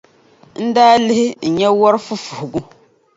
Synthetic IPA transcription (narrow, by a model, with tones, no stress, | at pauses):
n̩˦daː˦lɪ˦hɪ˦n̩˨ɲɛ˦wɔ˦ɾfu˦fu˨hʊ˨ɡu˦